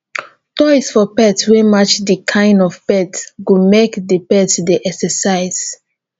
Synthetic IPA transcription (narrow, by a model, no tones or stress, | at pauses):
tɔɪsfɔpɛtswɛmat͡ʃdəkʰãɪ̃ndɔvpɛtɡumekdəpɛtsdeʔɛksəsaɪz̥